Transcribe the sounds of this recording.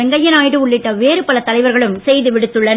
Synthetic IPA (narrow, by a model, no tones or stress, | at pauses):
ɛŋɡɐjɪnaːjɽɯʊɭːɪʈːɐʋeːɾɯpɐlɐt̪ːɐlɐɪʋɐɾɣɐɭɯmsɛjðɯʋɪɽɯt̪ːɯɭːɐn